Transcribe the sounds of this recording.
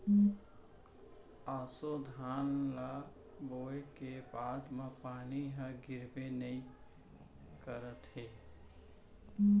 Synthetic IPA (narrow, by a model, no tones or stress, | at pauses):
asod̪ʱanla | boekebad̪mepaniɦə̃ɡiɾbenəi | kəɾət̪ɦe